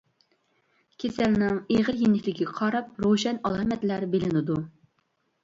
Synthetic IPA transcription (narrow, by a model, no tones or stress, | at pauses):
kʲʰesælnɪŋeʁəɾjinːɪkʲlɪɡʲiqʰɑɾɑp̚ɾoʃɛnɑlˠɑmɛt̪læɾbelɪnɪd̪u